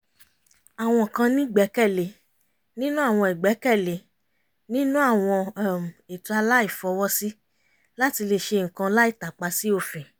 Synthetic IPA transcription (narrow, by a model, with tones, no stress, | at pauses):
a˨w̃ɔ̃˧˨kã˧nĩ˦ɡ͡bɛ˨˦kɛ˦˨le˨ | nĩ˦nũ˦a˦˨w̃ɔ̃˧i˨ɡ͡bɛ˨˦kɛ˦˨le˨ | nĩ˦nũ˦a˦˨w̃ɔ̃˧˦˨m̩˨e˨tũ˧a˧la˦i˦˨fɔ˧˦wɔ˦si˦ | la˦ti˧le˧ʃe˧˨ŋ̩˨kã˧la˦i˦˨ta˨k͡pa˧si˦o˧fĩ˨